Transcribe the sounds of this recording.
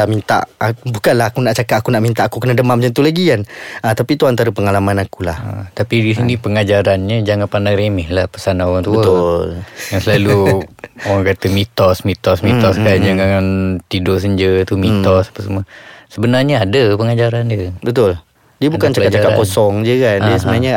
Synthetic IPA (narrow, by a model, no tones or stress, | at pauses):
aʔmint̪a̰ʔabukanlahakunaʔt͡ʃakat̪akunaʔmint̪aʔakukənadəmamd͡ʒənt̪ulaɡianət̪apit̪uant̪aɾəpəŋalamanakulahə̰t̪apiisinĩpəŋad͡ʒaɾanɲəd͡ʒaŋanpanaŋɾemɛhlahpəsanaoɣaŋt̪ubəljaŋsəlalu | oɾaŋkat̪əmit̪ɔsmit̪ɔsmit̪ɔskad͡ʒaŋaŋant̪idos̬əɲd͡ʒət̪umĩt̪ɔsḁpəsəməsəbənarɲəadəpəŋad͡ʒaɾandiəbət̪ʊl | diəbukant͡ʃakat̪̚t͡ʃakaʔkosɔŋd͡ʒəkandiəsəbənaɲa